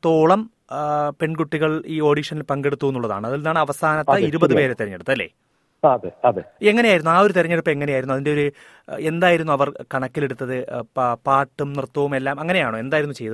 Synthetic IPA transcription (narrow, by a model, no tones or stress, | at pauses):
t̪oːɭɐm | pe̞ɳɡuʈːiɣɐɭiːo̞ːɽiːʂɐnilpɐŋɡe̞ɽut̪ːuʋunːuɭːɐða̰ːɳɨɐðilnːaːɳɨɐʋɐsaːnɐt̪ːɐiɾubɐðɨpe̞ːɾet̪eɾɐɲːeɽut̪ːɐɐlːḛː | ɐðeɐðeeŋːɐneaːjiɾunːuaːo̞ɾut̪iɾɐɲːeɽupːɐeŋːɐnejaːjɾunːuɐðinde̞o̞ɾu | e̞nd̪aːjiɾunːuɐʋɐrkɐɳɐkːile̞ɽut̪ːɐðɨpaːʈːumnirt̪ːɐʋume̞lːaːmɐŋːɐnejaːɳoːe̞nd̪aːjiɾunːut͡ɕe̞jðɐð